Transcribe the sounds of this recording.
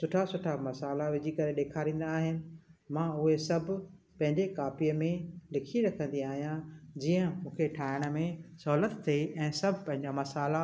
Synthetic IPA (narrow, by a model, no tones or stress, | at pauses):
sʊʈʰasʊʈʰamɐsaːlaʋɪd͡ʑʱikɐɾeɗeːkʰaɾĩːn̆d̪aːɦɪnɪ̆mãːʊɦesɐbʱ | pɐ̃ɦɪ̃ɲd͡ʑekaːfiəmẽlɪkʰiɾɐkʰə̃nd̪iaːɦijãd͡ʑiːə̃mũːkʰeʈʰaːɪɽ̃ə̆mẽsɐɦuːlət̪ːʰeɛ̃ːsɐbʱɪpɐ̃ɦɪ̃ɲd͡ʑamɐsaːla